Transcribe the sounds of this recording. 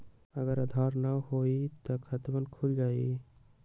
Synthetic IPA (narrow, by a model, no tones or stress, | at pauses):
əɡəɾəd̪ʱɔɾnahoit̪əkʰət̪bənkʰuld͡ʒai